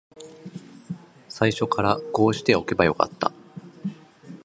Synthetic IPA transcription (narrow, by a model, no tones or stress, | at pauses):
saiɕo̞kaɾako̞ːɕi̥t̪e̞o̞ke̞bajo̞ka̰t̪ːa̰